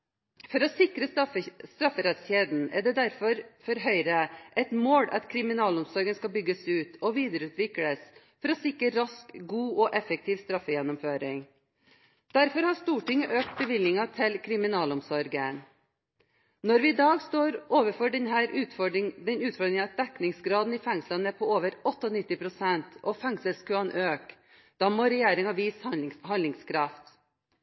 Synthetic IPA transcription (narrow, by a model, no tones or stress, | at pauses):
fɔɾɔsɪkɾəst̪ɾɑfːəɾɛt̪sçeːd̪n̩ɛ̰d̪ɛd̪æɾfɔɾfɔɾɦœʏɾəʔɛt̪moːɽɑ̰t̪kʰɾɪmɪnɑːlɔmsɔɾɡənskɑbʏɡəsʉːt̪ʰɔʋiːd̪əɾʉːt̪ʋɪkɽəs | fɔɾɔsɪkɾəɾɑskɡuːɔʔɛfək̚t̪ʰiːʋst̪ɾɑfəjɛnɔmføːɾɪŋ | d̪̥æɾfɔɾhɑʂt̪uːʈɪŋːəʔøːk̚t̪̚bəʋɪlːɪŋɑt̪ʰɪlkʰɾɪmɪnɑːlɔmsɔɾɡən | nɔɾʋɪɪd̪ɑːɡst̪oːɾoːʋəfɔɖnɦæːɾʉːɪd̪ɛnʉːt̪fɔɖd̪ɾɪŋəɑt̪̚d̪ɛknɪŋsɡɾɑːd̪n̩iːfɛŋslɑnəpʰɔoːʋəɾɔt̪ːəɔnɪt̪ːɪpʰɾʊsɛnt̪ʰʔɔfɛŋsəskʉɑnʔøːk | d̪̥ɑːmoːɾɛjeːɾɪŋɑʋiːshɑnlɪŋskʰɾɑft̪